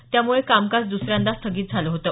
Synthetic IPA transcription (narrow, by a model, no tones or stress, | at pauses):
t̪jamuɭekamkasd̪usɾjãnd̪ast̪ʰəɡiːt̪̚d͡zʱaləɦot̪əː